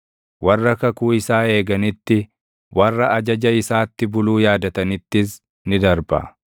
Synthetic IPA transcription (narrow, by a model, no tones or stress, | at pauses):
wɐrːɐkɐkuːɪsaːe̞ːɡɐnɪt̪ːɪ | wʔɐrːɐɐd͡ʒɐd͡ʒɐɪsaːt̪ːɪbʊluːjaːd̪ɐt̪ɐnɪt̪ːɪs | nɪd̪ɐɾbɐ̰